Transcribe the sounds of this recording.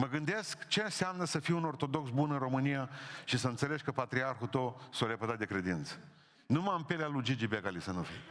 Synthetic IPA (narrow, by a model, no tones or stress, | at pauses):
məɡɨnd̪e̞skt͡ʃe̞nsamnəsəfiuno̞rt̪o̞d̪o̞ksbunɨnro̞mɨnijaʃisəɨnt̪seleʃʲkəpat̪ɾiarxut̪osoɾepət̪at̪̚d̪e̞kɾe̞d̪int̪sə̥ | numampelealud͡ʒid͡ʒibeɡalisənufḭj